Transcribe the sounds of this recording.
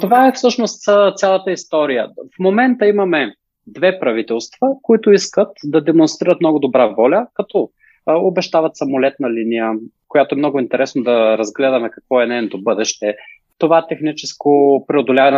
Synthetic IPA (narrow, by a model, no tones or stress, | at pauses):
t̪ovaɛfsɤʃnost̪zət̪sʲjalˠɐt̪əist̪ɔɾijəfmomɛnt̪əimɐmɛ | d̪vɛpɾɐvit̪ɛlˠst̪vəkoit̪ʊiskət̪d̪ɐd̪ɛmonst̪ɾiɾət̪mnɔɡʊd̪obɾavɔlʲəkɐt̪ɔ | obɛʃt̪avɐt̪sɐmolɛt̪nɐlinijə | kojat̪oɛmnɔɡʊint̪ɛɾɛsnod̪ɐɾɐzɡlɛd̪ɐmɛkɐkvɔɛnɛnot̪obɤd̪ɛʃt̪ɛ | t̪ovat̪ɛxnit͡ʃɛskʊpɾɛod̪olʲavɐn